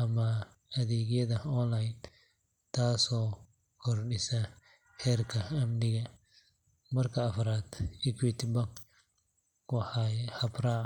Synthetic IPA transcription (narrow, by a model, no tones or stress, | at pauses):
ʔɐmɐ | ɐðɛːɣjɐðɐɔnlɐjn | t̪ʰaːsɔː | kʰɔrɖɪsɐ | hɛːrkʰɐɐmnɪɣɐ | mɐrkʰɐːfɾaːd̪ɪkʰwɪt̪ʰɪbɐɡ | wɑħɑhɐbra